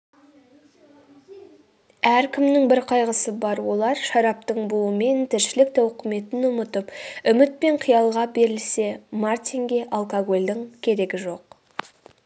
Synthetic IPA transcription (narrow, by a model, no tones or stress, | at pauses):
æɾkʲʰɪmnɪŋbɪɾqʰɑjʁəsəbɑɾwo̞lˠɑɾʃɑɾɑp̚t̪əɴbʊlˠəme̞nt̪ʰɪɾʃɪlɪk̚t̪ʰæwqʰəme̞t̪ɪnʊmət̪əpʏmɪt̪̚pe̞ɴqʰijɑlˠʁɑbe̞ɾɪlse̞mart̪iŋɡʲe̞ʔalˠkaɡo̞lʲd̪ɪŋkʲʰe̞ɾe̞ɡʲɪʒo̞q